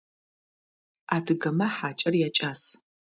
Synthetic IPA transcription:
aːdʰɨɡɐmɐħaːt͡ʃʼɐrjat͡ʃʼaːs

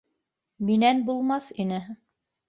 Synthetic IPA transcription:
minænbulˠmɑθinɘ

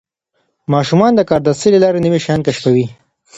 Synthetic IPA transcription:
mɑʃumɑnd̪əkɑɾd̪aselelɑɾenəmiʃajɑnkaʃpawi

